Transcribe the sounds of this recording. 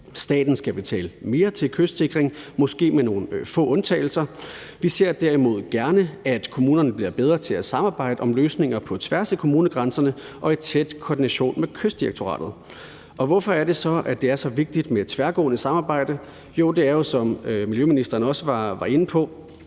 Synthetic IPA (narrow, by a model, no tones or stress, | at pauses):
sd̥ɛ̰ːd̥n̩sɡ̥æb̥e̝t͡sʰɛ̰ːləme̝ːɐt͡sʰe̝lkʰøsd̥se̝ɡ̥ʁeŋmɒ̽sɡ̥e̝̰ːmeno̝ːn̩fɔ̰̽ːɔ̽nt͡sʰɛ̰ːɪl̩sɐ | ʋise̝ɐ̰d̥æɐ̰imo̝ð̞̰ˠɡ̥æɐnəæd̥kʰo̝muːnɐnəb̥liɐb̥eð̞ˠʁɐt͡sʰe̝æsɑ̈mɑ̈ːb̥ɑ̈ɪ̰d̥əɒ̽mløːsne̝ŋ̰ɐpʰɒ̽t͡sʰʋæɐsækʰo̝muːnəɡ̥ʁɑnsɐnə | ʔɒ̽e̝t͡sʰed̥kʰɒːd̥inæɕo̝̰ːnmekʰøsd̥ieɡ̥̚t͡sʰo̝ʁɑ̰̈ːd̥ð̩ˠ | ʔɒ̽ʋɒfɒ̽æɐɾ̥e̝sɒ̽ʔæd̥e̝æɐsɒ̽ʋe̝ɡ̥̚d̥id̥med̥t͡sʰʋæɐɡ̥ɔ̰̽ːnəsɑ̈mɑ̈ːb̥ɑ̈ɪ̰d̥ə | jo̝d̥e̝æɐjo̝sɒ̽mmiljøminisd̥ɐːn̩ɒ̽səʋɑ̈ʋɑ̈e̝nəpʰɒ̽